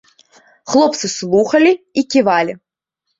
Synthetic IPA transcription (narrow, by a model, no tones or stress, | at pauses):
xlˠɔp̚t̪sɨslˠuxɐlʲiikʲivalʲi